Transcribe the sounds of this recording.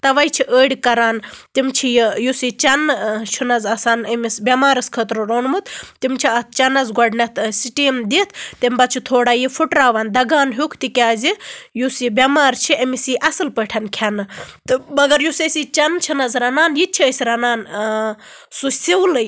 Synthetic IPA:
t̪ɐʋɐjt͡ʃʰiʔəːɽikɐɾaːnt̪imt͡ʃʰijijusit͡ʃɐnt͡ʃʰunɐzɐsaːnɐmisbʲɐmaːɾɐskʰət̪ɾoɾonmɨt̪t̪imt͡ʃʰiɐt̪t͡ʃɐnɐzɡɔɖnɐt̪ʰsiʈiːmd̪et̪ʰt̪ɐmbɐt͡ʃʰit̪ʰoːɽaːjifʰuʈɾaːʋaːnd̪ɐɡaːnɦukʰt̪ikʲaːzijusibʲɐmaːɾt͡ʃʰiʔɐmisiʔɐsɨlpəʈʰɐnkʰanɨt̪ɨbɐɡɐɾjusəsit͡ʃɐnt͡ʃʰinɐzɾɐnaːnjit͡ʃʰiəsʲiɾɐnaːn | susiwlɨj

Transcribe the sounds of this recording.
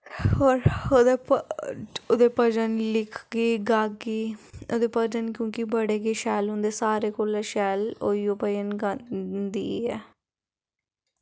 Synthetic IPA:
oːɾod̪e | oːd̪eːpəd͡ʒənlɪkʰɡeːɡaːɡeːoːd̪eːpəd͡ʒənkjõːkibəɽeːɡeːʃɛːlɦʊ̃nd̪eːsaːɾeːkoːlɛʃɛːloːiːoːpəd͡ʒənɡand̪ḭːɛː

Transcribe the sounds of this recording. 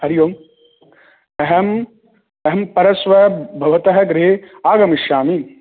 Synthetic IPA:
ɐɾjoːm | ɐɦɐm | ɐɦɐmpɐɾɐsʋɐbʱɐʋɐt̪ɐɦɐɡɾeaːɡɐmiʃjaːmi

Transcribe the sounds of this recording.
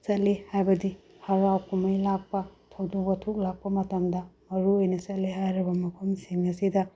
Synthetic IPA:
sɐt̚lihajbɐdi | hɐɾawkʰumɐjlak̚pɐtʰɐwdubɐtʰuk̚lak̚pɐmɐtɐmdɐmɐɾuojnɐsɐt̚liɦajɾɐbɐmɐkʰumsiŋnɐsidɐ

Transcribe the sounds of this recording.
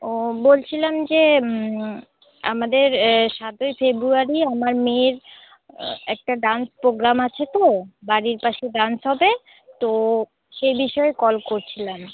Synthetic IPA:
bolt͡ɕʰilamd͡ʑe | a̰mad̪eɾʃat̪ojfebɾuaɾiamaɾmeɾ | ɛk̚ʈaɖanspɾoɡɾamat͡ɕʰet̪obaɾiɾpaʃeɖansɦɔbe | t̪o | ʃejbiʃɔekɔlkoɾt͡ɕʰilam

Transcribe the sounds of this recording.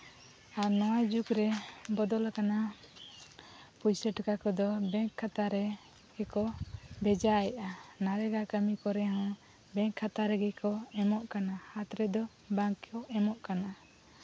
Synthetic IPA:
aɾnɔwajd͡ʒukɾɛbɔd̪ɔlakana | pujsɛʈkakɔd̪ɔbɛ̃ŋkʰːat̪aɾɛ | ɡɛkɔbɛd͡ʒajaʔanaɾɛɡakəmikɔɾɛɦɔ̃ | bɛ̃ŋkʰːat̪aɾɛɡɛkɔɛmɔʔkanahat̪ɾɛd̪ɔ | baŋkɔɛmɔʔkana

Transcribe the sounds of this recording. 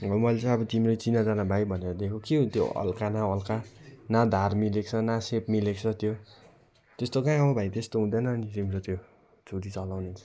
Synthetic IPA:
ʌmʌlt͡sãʌbʌt̪imɾojt͡sinad͡zanabʱajbʱʌneɾʌd̪ekʰokeɦot̪jo̰ʌ̰lkanaʌlkanad̪ʱarmilek̚t͡sʰʌnasep̚milekt͡sʰʌt̪jo | t̪est̪okaĩʌbʌbʱajt̪est̪oɦũd̪anʌːnit̪imɾot̪jo | d͡zʰʱuʈit͡sʌlawnet͡sʰʌ̥

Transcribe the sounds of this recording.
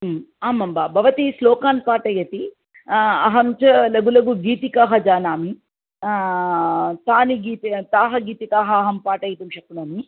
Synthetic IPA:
aːmɐmbaːbʱɐʋɐt̪islɔːkaːnpaːʈɐjɐt̪i | ɐɦɐmt͡ʃɐlɐɡulɐɡuɡiːt̪ikaːɦɐd͡ʒaːnaːmi | t̪aːniɡiːt̪it̪aːɦɐɡiːt̪ikaːɦɐːɦɐmpaːʈɐjɐt̪ɐmʃɐkːunaːmi

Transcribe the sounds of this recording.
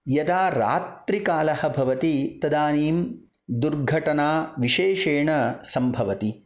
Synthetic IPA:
jɐd̪aːɾa̰ːt̪ɾikaːlɐhɐ̆bʱɐʋɐt̪it̪ɐd̪aːniːm | d̪uɾɡʱɐʈɐnaːʋiʃeːʃeːɳɐsɐmbʱɐʋɐt̪i

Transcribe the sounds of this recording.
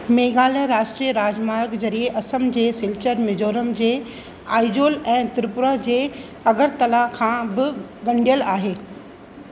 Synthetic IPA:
meːɡaːlə̃ɾaːʃʈɾiəɾaːd͡ʑmaːɾkzɐɾieʔɐsəmd͡ʑeːsɪlt͡ɕəɾmɪd͡ʑoːɾəmd͡ʑeː | aːɪd͡ʑoːlɛ̃ːt̪ɪɾpʊɾad͡ʑeː | ɐɡəɾt̪ɐlakʰãːbɪ | ɡɐ̃ɳɖijəlaːɦeː

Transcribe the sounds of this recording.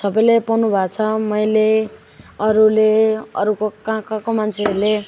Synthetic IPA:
sʌbʌjlepʌnubʱat͡sʰʌmʌjle | ʌɾuleʌ̰ɾukokãkãkomant͡sʰeʌɾle

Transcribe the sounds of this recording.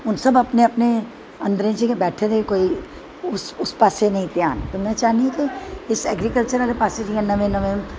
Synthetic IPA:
ʊnsɐbɐpneɐpne | ɐ̃nd̪ɾẽsekebɛːʈʰeɾekoːi | ʊsʊspaːsenɐɦĩt̪jaːnt̪ʊmɛ̃t͡ʃaːniɦkiɪsɛːɡɾikəlt͡ʃəɾaːlepaːseʈiɛ̃nɐʋẽnɐʋẽ

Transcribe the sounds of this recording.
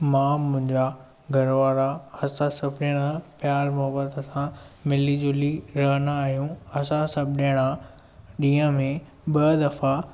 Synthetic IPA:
mãːmʊ̃ɦɪ̃ɲd͡ʑa | ɡʱɐɾʋaːɾahɐsãsɐbʱɗeɽ̃apjaːɾmɐɦbət̪sãmɪlid͡ʑʊliɾɐɦənaaːɦjũɐsãsɐbʱɗeɽ̃a | ɗĩːə̃mẽ | ɓɐd̪ɐfa

